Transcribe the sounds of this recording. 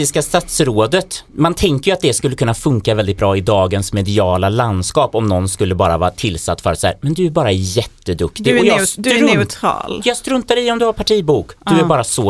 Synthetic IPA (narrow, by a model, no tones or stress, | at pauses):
ɪskast̪at̪sɾoːd̪ət̪mant̪ʰɛŋkəjɵat̪̚d̪ɛskɵlːəkɵnːafɵŋkavɛld̪ɪt̪̚bɾɑːɪd̪ɑːɡənsmɛd̪ɪɑːlaland̪skɑːpɔmnɔnskɵlːəbɑːɾa̰vɑ̰ːɾt̪ʰɪlːsa̰t̪ːfœɾat̪sahæ̰ːɾmɛnd̪ɵæɾbɑːɾajɛt̪ːəd̪ɵkt̪ɪɡɔjɑːsɾʊt̪ʰɑ̰ːljɑːɡst̪ɾɵnt̪ad̪ɛɪɔmd̪ɵhaɾpʰaʈʰiːbuːkdd̪ɵæɾbɑːɾasɔ